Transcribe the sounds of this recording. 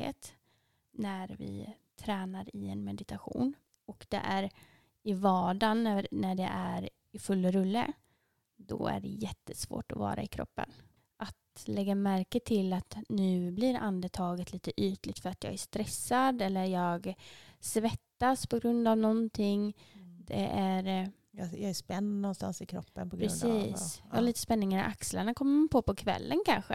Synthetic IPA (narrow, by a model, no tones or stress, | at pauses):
ḛːt̪ | næɾvɪ̰ | t̪ʰɾɛːnaɾɪɛnmɛd̪ɪt̪aɧṵːn | ɔkd̪ɛ̰ʔæɾ | ɪvɑːɖanænæɖɛʔæɾ | ɪfɵlːɾɵlːə̰ | d̪ɔ̰æ̰ɖɛ̰jɛt̪ːə̥svo̰ːʈɔvɑ̰ːɾa̰ɪkʰɾɔ̰pːə̰n | ʔat̪lɛɡːamæɾkət̪ʰɪlat̪nʉ̟ːblɪɾʔa̰nd̪ət̪ʰɑːɡət̪liːt̪əʔyːt̪lɪɡ̚t̪fœɾat̪jɑ̰ːɡæʂt̪ɾɛsːad̪ɛlːəɾjɑːɡsvɛt̪ːaspʰɔɡɾɵnd̪avnɔnt̪ʰɪŋd̪ɛ̰ʔæɾ | jjɑːɡæspɛnnɔnst̪a̰nsɪkʰɾɔpːənpʰɔɡɾɾɛɵnsiːsjɑ̰halɭiːt̪əspɛnːɪŋaɾɪ̰ʔakslaɳakʰɔmːəmanpʰoːpʰɔkʰvɛ̰lːənkʰanɧə̰